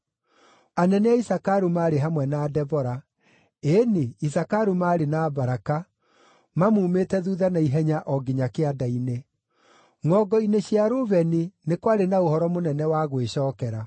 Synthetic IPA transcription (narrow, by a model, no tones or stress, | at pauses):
anɛnɛaisakaɾumaːɾeɦamwɛnaːdɛvɔɾa | eniisakaɾumaːɾenabaɾaka | mamuːmetɛðuːðanaiɦɛɲaʔɔɡeɲakeadaine | ŋɔːɡɔineɕiaɾovɛninekwaɾenaohɔɾɔmonɛnɛwaɣweɕɔːkɛɾa